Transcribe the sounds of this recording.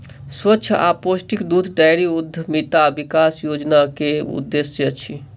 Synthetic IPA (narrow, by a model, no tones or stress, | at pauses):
swətːʃʰa̰posʈikd̪ud̪ʰʱɖajɾiud̪ʱːəmit̪abikasjod͡ʒnakeṵd̪ːeseət͡ʃʰi